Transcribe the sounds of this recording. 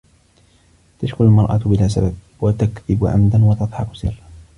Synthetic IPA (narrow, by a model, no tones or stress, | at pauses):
t̪aʃkʊnalmɑɾˤʔa̰bɪlaːs̬abab̚ | wat̪akðɪbʕa̰md̪anwɑt̪ɑt̪ˤħɑqʊ̥sɪrː